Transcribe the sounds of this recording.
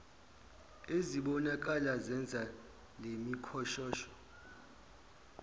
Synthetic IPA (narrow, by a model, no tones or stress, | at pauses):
eziɓɔnak̬ʼalazɛnd͡zʱa | lemikʰɔʃɔːʃɔ̥